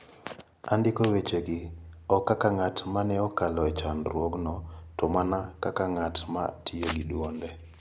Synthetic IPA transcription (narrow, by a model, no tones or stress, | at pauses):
andɪkowet͡ʃeɡɪɔkakaŋatmanɛɔkalɔɛt͡ʃanɾwoɡnɔtɔmanakakaŋatma̰tʰioɡidwɔndɛ